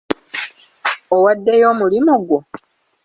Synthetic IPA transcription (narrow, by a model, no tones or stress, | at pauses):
owadːe̞jo̞ːmulimuɡwo